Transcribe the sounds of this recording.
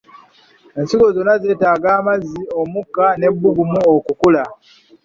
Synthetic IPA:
e̞nsiɡo̞zonaze̞ːtaːɡaːmazio̞mukːane̞bːuɡumuokukula

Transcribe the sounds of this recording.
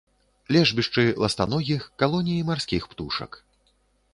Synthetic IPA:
lʲɛʐbʲiʂt͡ʂɨlˠɐst̪a̰nɔɣʲixkalˠɔnʲijimarsʲkʲixpt̪uʂɐ̰k

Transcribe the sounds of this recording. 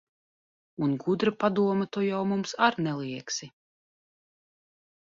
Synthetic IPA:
unɡud̪ɾapad̪uɔmɛt̪ujawmumsaɾnɛlˠiɛksi

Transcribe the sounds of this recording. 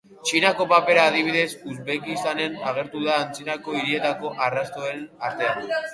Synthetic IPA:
t͡ʃinako̞pape̞ɾaːðiβ̞iðe̞suzβekist̪ane̞naɣ̞e̞ɾt̪uðaːnt͡sinako̞iɾie̞t̪ako̞ʔarast̪o̞enaɾt̪e̞an

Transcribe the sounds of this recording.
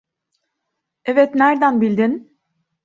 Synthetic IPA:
ɛvɛt̪næɾd̪ænbilʲd̪in

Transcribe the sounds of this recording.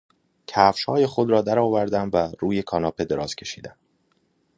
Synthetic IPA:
cʰæfʃhɒːje̞xo̞d̪ɾɒːd̪æɾɒːvæɾd̪æmvæɾuːje̞kʰɒːnɒːpʰe̞d̪e̞ɾɒːz̥kcʰe̞ʃḭːd̪æm

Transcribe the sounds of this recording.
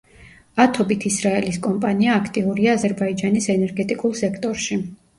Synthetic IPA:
at̪ʰɔbit̪ʰisɾaɛliskʼɔmpʼaniaːkʰt̪ʼiuɾiaːzɛɾbaid͡ʒanisɛnɛɾɡɛt̪ʼikʼulˠsɛkʰt̪ʼɔɾʃi

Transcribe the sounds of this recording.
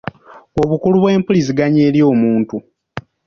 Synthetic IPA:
o̞βukuluβwe̞ːmpulis̬iɡaɲeːljo̞ːmuːntu

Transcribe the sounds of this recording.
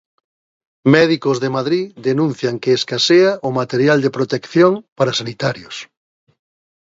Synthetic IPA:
mɛðikʊzðemaðɾiðenũn̟θjaŋkeːskaseaʔʊmat̪eɾjald̪epɾot̪ekθjoŋpaɾasanit̪aɾjos

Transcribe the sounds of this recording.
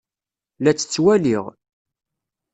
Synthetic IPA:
læt͡sːə̥t͡sːwæliʁ

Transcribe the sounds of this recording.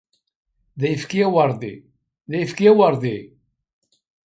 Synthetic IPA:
ðæjəfkiæwəɾˤðḭ | ðæjəfkiæwəɾˤði

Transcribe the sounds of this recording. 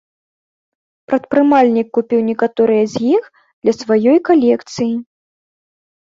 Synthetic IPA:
pɾɐt̪̚pɾɨmalʲnʲikːupʲiwnʲɛkat̪ɔɾɨjɐzʲjix | d̪lʲɐsvajɔjkalʲɛkt̪sɨji

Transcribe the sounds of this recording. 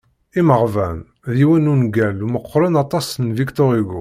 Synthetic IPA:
iməʁvæn | ðiwænunɡæluməqːɾənɑt̪ˤɑsnvikt̪oʁiɡṵ

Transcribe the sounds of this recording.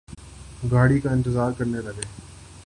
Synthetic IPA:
ɡaːɽiːkaːɪ̃nt̪ɪzaːɾkəɾnelɐɡeː

